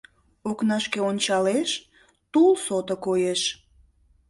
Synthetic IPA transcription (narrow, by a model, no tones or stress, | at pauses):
oknɑʃkeonʲt͡ɕɑleʃ | t̪ulsot̪okojeʃ